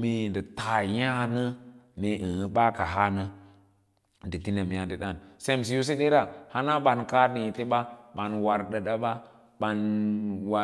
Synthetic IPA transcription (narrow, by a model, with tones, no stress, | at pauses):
mi˨ndə˨ta˨ja˦nə˦ne˨ʔi˨hə˦ɓa˦ka˨ɦa˦nə˦ | ndə˨ti˦ne˨m˨ja˨ndə˨ɗa˦˨nse˦˨m˨s̬i˨ju˦s̬e˦ɗe˦ɾa˨ha˦na˦ɓa˨nka˦di˨ti˦ɓa˦ɓa˨nwa˨ɾɗə˨ɗa˦ɓa˦ | ɓa˨nwa˨